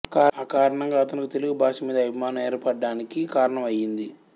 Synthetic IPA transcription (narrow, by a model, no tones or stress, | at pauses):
kaːaːkaːɾɐɳɐŋɡaːɐt̪ɐnikit̪e̞luɡubʱaːʂɐmiːd̪ɐbʱimaːnɐmeːɾpɐɖːaːnikikaːɾɐɳɐmɐjːind̪i